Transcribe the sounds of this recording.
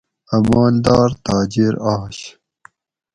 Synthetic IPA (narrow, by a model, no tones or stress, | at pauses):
ɐmɑːnd̪ɑːɾt̪ɑːd͡ʑiɾɑːɕ